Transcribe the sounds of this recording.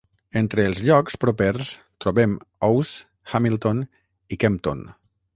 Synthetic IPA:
ent̪ɾəːlˠzʎɔkspɾopeɾs | t̪ɾoβemɔws | xamilˠt̪on | ikɛmpt̪o̰n

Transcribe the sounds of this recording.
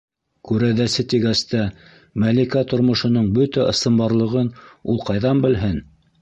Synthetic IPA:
kʉɾæðæsɘt̪iɡæst̪æ | mælikæt̪ŏɾmŏʃɤ̆nɤɴbɵt̪æʔɤ̆sɤ̆mbɑɾlˠɤ̆ʁɤnulˠqɑjðɑmbɘ̆lɦɘn

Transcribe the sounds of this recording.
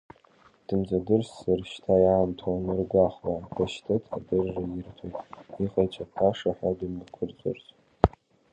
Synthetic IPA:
d̥ɨmd͡zadɨrssarʃtʰajaːmtʰawanɨrɡʷaχladaʃtʰɨtʰadɨrːajɪrtʰojtʼiqʼajt͡ʃʰʼapʰaʂaħʷᶣadɨmɨkʷʰʊrt͡sʷʼʊ̰rzʼ

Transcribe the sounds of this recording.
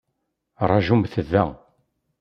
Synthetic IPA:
ɾˤɑʒumθəðːæ̰

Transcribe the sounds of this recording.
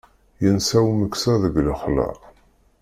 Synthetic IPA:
jənsæwməksæðəɡləχlə̰

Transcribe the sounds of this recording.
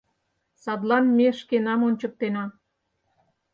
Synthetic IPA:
sɑd̪lɑnmeʃkenɑmont͡ɕə̆k̚t̪enɑ

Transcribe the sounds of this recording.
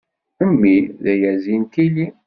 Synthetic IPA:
əmːiðæjæzint̪ili

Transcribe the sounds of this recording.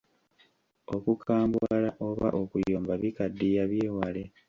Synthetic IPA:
o̞kukʰaːmbwalaʔoβaʔokujoːmbaβikadːijaβje̞ːwale

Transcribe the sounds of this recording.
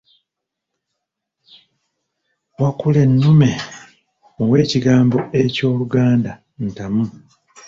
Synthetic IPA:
wakule̞nːume̞ | owe̞ːciɡaːmbo̞ʔe̞co̞ːluɡaːnda | n̩tamu

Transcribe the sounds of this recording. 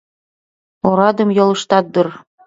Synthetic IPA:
oɾɑd̪ɤ̆mjolˠɤ̆ʃt̪ɑt̪̚d̪ɤr

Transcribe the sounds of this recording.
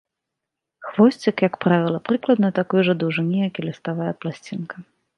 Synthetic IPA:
xvɔsʲt͡sʲikjɐkpɾavʲilˠɐpɾɨklˠɐd̪nɐt̪akɔjuʐɐd̪uʐɨnʲijakʲilʲɐst̪avajɛplˠasʲt͡sʲinkɐ

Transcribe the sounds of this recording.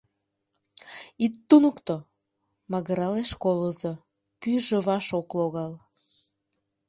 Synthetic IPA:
it̪ːunukt̪o | mɑɣəɾɑleʃkolozo | pyʒəβɑʃokloɣɑl

